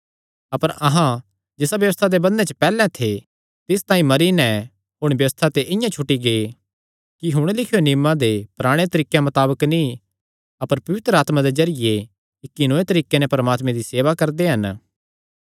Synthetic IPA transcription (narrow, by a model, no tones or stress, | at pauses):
ɐpəɾɐɦã | d͡ʒɪsabjɐʋəst̪ʰad̪ebɐnːẽt͡ʃəpɛːlɛ̃t̪ʰe | t̪ɪst̪ãːĩmɐɾinɛ | ɦʊɽ̃bjɐʋəst̪ʰat̪eʔɪ̃jãt͡ʃʰʊʈːiɡe | kiɦʊɽ̃lɪkʰjonɪːmãd̪epɐɾaːɽ̃et̪ɐɾiːkemɐt̪aːbəkni | ɐpəɾpɐʋɪt̪ɾəaːt̪mãd̪ezɐɾɪje | ɪkːinõːẽt̪ɐɾiːkenɛpɐɾmaːt̪mẽd̪iseːʋakɐɾd̪eɦɐn